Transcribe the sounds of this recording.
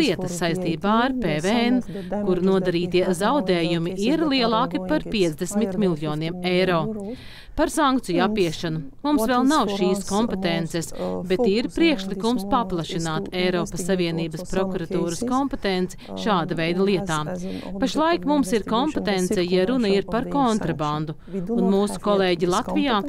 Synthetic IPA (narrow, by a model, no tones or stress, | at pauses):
iɛt̪ɐsːajst̪iːbaːaɾpeːveɛn | kuɾnuɔd̪aɾiːt̪iɛzawd̪ɛːjumiʔiɾlˠiɛlˠɑːkipaɾpiɛt̪zd̪esmit̪milˠjɔːniɛmɛjɾoː | paɾsaŋkt̪sijuapːiɛʃanumumsvɛlˠnawʃiːskɔmpet̪ent̪sɛsbet̪iɾpɾiɛkʃlˠikumspaplˠɐʃinaːt̪ɛjɾɔːpɐsːaviɛniːbɐspɾɔkuɾat̪uːɾɐskɔmpet̪ent̪sɛ̥ | ʃaːd̪ɐvɛjd̪ɐlˠiɛt̪aːpaʃlˠajkmumsiɾkɔmpet̪ent̪sɛjaɾunɐiɾpaɾkɔnt̪ɾaband̪u | unmuːsu̥kɔlˠeːɟilˠat̪vijaː